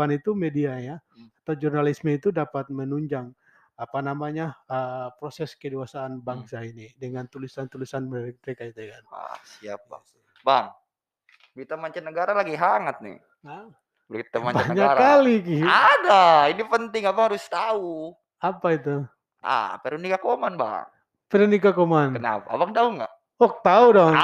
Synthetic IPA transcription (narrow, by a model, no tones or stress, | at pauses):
anit̪umediaɲaat̪awd͡ʒurnalisməit̪udapat̪̚mənuɲd͡ʒaŋ | apanamaɲaəpɾosɛskədiasaːnbaŋsainidəŋant̪ulisant̪ulisanmək̚məɾekait̪ujakana̰sia̰p̚a̰ | baŋ | bɾit̪amaɲt͡ʃanəɡaɾalaɡiɦaŋat̪̚nɪ̰ | a | bɾit̪amaɲbanəɲaɾkalikiadainipənt̪ɪŋapahaɾʊst̪au | apait̪̬u | ʔa̰peɾunikakomanba̰ŋ | peɾunikakomankəna̰pabaŋt̪auŋɡa̰ʔ | ɔk̚t̪audɔ